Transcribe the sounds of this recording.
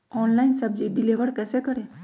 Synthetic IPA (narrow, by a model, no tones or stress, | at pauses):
ɔːnlaɪinsəbd͡ʒiɖɪleʋəɾkɛːsekəɾe